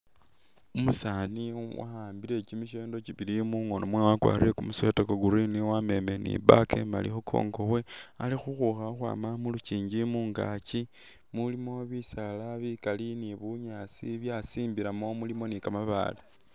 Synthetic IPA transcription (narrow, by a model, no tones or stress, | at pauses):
umusaniwa̰aːmbiɾe̞t͡ʃimiʃ̬eːndo̞t͡ʃiβilimuŋonomwewakwa̰ːrḭɾekumusetokoɡuɾiniwame̞me̞nḭβakḛma̰lḭxukʰo̰ːŋɡo̞we̞a̰lixuxuxaxwa̰ːmamulut͡ʃiːɲɟimuːŋɡa̰t͡ʃi | mulimo̞βisalaβikaliniβuɲat͡siβjasiːmbiɾamo̞mulimo̞nikamaβa̰la